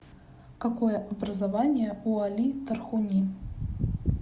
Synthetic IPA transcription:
kakɔjɛʔɐbɾɐzavanʲɪjɛualʲit̪ɐrxunʲi

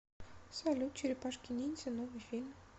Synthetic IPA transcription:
salʲut̪̚t͡ɕɪɾʲɪpaʂkʲinʲinʲsʲenovɨjfʲilʲm

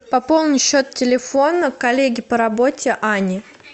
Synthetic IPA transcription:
pɐpo̞lˠnɨjɕːot̪tʲɪlʲɪfo̞nəkɐlʲeɡʲɪpəɾɐbotʲɪʔanʲɪ

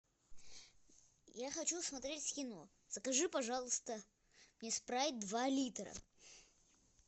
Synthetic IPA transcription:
jaxɐt͡ɕusmɐt̪ɾʲetʲsʲkʲɪno | z̥əkɐʐɨpɐʐɑlˠəst̪ə | mnʲespɾavʲɪt̚ʲd̪valʲit̪ɾə̰

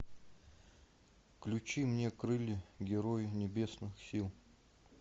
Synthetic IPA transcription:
klʲʊt͡ɕimnʲekɾɨlʲɪɡʲɪɾojɪnʲɪbʲe̞snɨxsʲilˠ

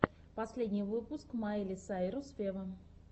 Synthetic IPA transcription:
pɐsʲlʲedʲnʲɪjvɨpʊskmailʲɪsaɪɾʊsfʲevə

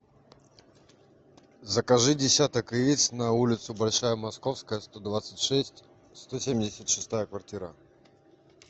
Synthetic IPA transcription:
zəkɐʐɨdʲɪsʲat̪əkɨit̪snɐulʲɪt̪sʊbɐlʲʂajəmɐsko̞fskəjəst̪od̪vat̪sɨtʲʂɛsʲtʲ | st̪osʲemʲdʲɪsʲət̪ʂɨst̪ajəkvɐrtʲiɾə

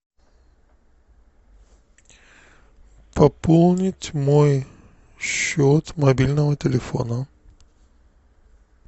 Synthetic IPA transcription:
pɐpolˠnʲɪtʲmoj | ɕːot̪mɐbʲilʲnəvətʲɪlʲɪfo̰nə

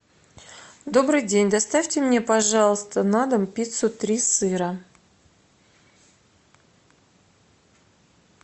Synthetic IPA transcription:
d̪o̞bɾɨjdʲenʲd̪ast̪afʲtʲɪmnʲe̞pɐʐɑlˠəst̪ənad̪əmpʲit̪sʊt̪ɾʲisɨɾə

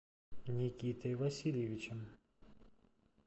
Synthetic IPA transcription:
nʲikʲit̪ɛʋɐsʲilʲeʋʲit͡ʃɛm

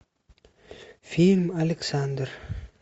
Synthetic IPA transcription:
filmaleksand̪ɾ

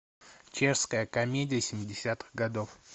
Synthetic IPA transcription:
t͡ɕeʂskəjəkɐmʲedʲɪjəsʲɪmʲɪdʲɪsʲat̪ɨ̥ɣɡɐd̪of

